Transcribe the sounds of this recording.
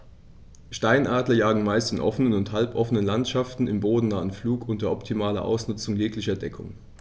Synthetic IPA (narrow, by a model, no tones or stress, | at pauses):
ʃtaɪnʔaːdlɐjaːɡŋ̩maɪstɪnʔɔfənənʊnthalpʔɔfənənlantʃaftn̩ɪmboːdn̩naːənfluːkʔʊntdɐʔɔptʰimaːlɐ̰ʔa̰ʊsnʊt͡sʊŋjeːklɪçɐdɛkʰʊ̰ŋ